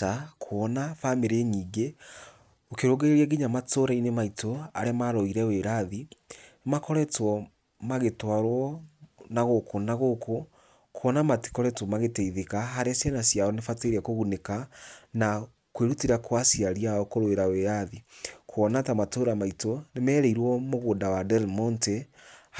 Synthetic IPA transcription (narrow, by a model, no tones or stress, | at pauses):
akʰwɔnafameɾeɲiːɡe | okeɾoɡeeɾiɛɡiɲamatoɾainemaitoaɾeamaɾoiɾɛweɾaði | makɔɾɛtwɔ | maɣetwaɾwɔnaɣokonaɣoko | kʰoɔnamati̥kɔɾɛtwɔmaɣeteiðekaɦaɾeasjanasjaɔnefateɾiakoɣunekana | kweɾutiɾakwasiaɾiaɔkoɾweɾaweɾaðikʰoɔnatamatoɾamaitonemɛːɾɛiɾwɔmoɣoːndawadɛɾmɔnte